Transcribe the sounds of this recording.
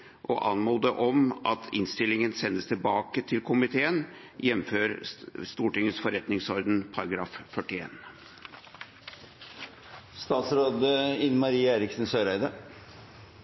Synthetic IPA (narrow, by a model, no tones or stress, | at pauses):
ʔɔʔɑnmuːd̪əʔɔmʔɑt̪ʰɪnst̪ɪlɪŋənsɛnd̪əst̪ʰɪlbɑːkət̪ʰɪlkʰʊmɪt̪ʰeːən | jɛmføːɾst̪uːʈɪŋəsfɔɾɛt̪nɪŋsɔɾd̪ənpʰɑɾɑɡɾɑːffœʈɪeːn | st̪ɑːt̪sɾoːd̪əɪnmɑɾiːəeːɾɪksn̩søːɾæɪd̪əɾ